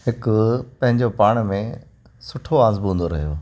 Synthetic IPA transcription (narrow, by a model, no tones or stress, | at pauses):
hɪkʊpɐ̃ɦɪ̃ɲd͡ʑopaːɽ̃mẽ | sʊʈʰoaːzbɦũːnd̪oɾɐɦijo̰ː